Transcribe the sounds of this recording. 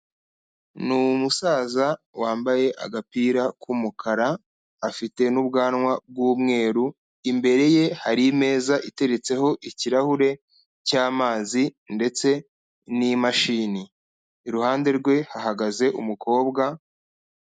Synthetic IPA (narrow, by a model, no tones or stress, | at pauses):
numusaːzawaːmbaje̞ʔa̰ɡapiːɾakumukʰaɾaː | fite̞nubɡaːnŋwab̚ɡumŋe̞ːɾu | imbe̞ɾe̞je̞haɾime̞ːzaʔite̞ɾe̞t͡se̞ho̞ʔiciɾahuɾe̞ | caːmaːzinde̞t͡se̞ | nimaʃiːniː | ɾuhaːnde̞ɾɡwe̞haɦaɡaze̞ʔumukʰo̞ːbɡa